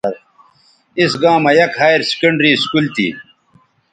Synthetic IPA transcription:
ɾ | isɡãːmɐjɐkhaːjɾsi̥kɐɳɖɾiːskult̪ḭː

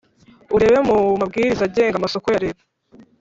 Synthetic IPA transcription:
uɾe̞βemumab̚ɡiːɾizaɟe̞ːŋɡamaso̞kojaɾeβa

